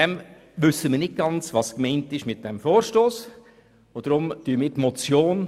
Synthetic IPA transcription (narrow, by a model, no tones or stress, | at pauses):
ɛm | ʋʏsːəməɾnɪt̚ɡ̥ɑnt͡sʋɑskmɛɪntɪʃmɪt̚d̥ɛmfoːɾʃtoːs | od̥ɾʊmtyːəmɪːtmɔt͡sjoːn